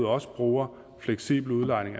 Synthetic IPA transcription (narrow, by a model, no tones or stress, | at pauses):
ð̩ˠɒ̽sə̥b̥ʁuːɐ | fleɡ̥sḭːb̥l̩uðˠlɑ̈ɪne̝ŋæ